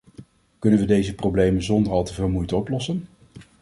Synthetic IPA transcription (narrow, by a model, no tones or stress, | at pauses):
kɵnənʋədejzəprowblejmənzɔndəɹɑlˠtəvɪːlˠmujtəɔplɔsən